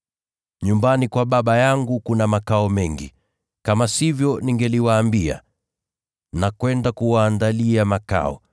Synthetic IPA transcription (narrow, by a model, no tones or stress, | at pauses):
ɲumbanikwaɓaɓajaŋɡukunamakaɔmɛŋɡḭ | kamasivjɔniŋɡɛliwaːmbia̰ | nakwɛndakuwaːndaliamaka̰ɔ̰